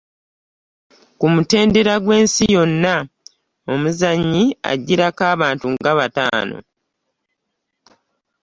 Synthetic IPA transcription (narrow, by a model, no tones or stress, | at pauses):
kumute̞ːnde̞ɾaɡwe̞ːnsijo̞nːa | o̞muzaɲːia̰ɟːiɾakaːβaːntuŋɡaβata̰ːno̞̰